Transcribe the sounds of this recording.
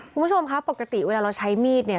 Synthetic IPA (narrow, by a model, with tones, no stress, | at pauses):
kʰu˧nmu˥t͡ɕʰo˧mkʰa˦˥po˨˩ka˧t̪i˨˩weː˧laː˧ɾa˧wt͡ɕʰa˦˥jmiː˥˩t̪̚ni˥˩ɐ